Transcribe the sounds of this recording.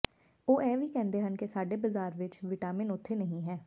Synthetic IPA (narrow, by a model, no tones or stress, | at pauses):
oːʔɛːʋiːkɛ̃ːnd̪eːɦənkesaːɖeːbəzaːɾʋɪt͡ʃʋɪʈaːmɪnʊt̪ʰːeːnəɦĩɦɛː